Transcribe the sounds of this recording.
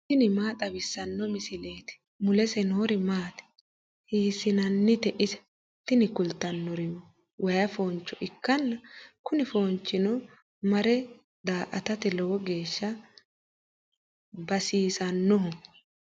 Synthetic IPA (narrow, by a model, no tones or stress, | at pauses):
t̪ɪnɪmaːt̪ʼɐbɪsːɐnːɔmɪsɪle̞ːt̪ɪ̥ | mʊlɛsɛnoːɾɪmaːt̪ɛ̥ | hiːsɪnɐnːɪt̪ɛʔɪsɐ̥ | t̪ɪnɪkʊlt̪ːɐnːɔɾɪm | wʔɐjɐfoːnt͡ʃːɔʔɪkːɐnːɐkʊnɪfo̞ːnt͡ʃːɪnɔ | mɐɾɛ | d̪aːʔɐt̪ɐt̪ɪlɔwɔɡe̞ːʃːɐ | bɐsiːsɐnːɔɦʊ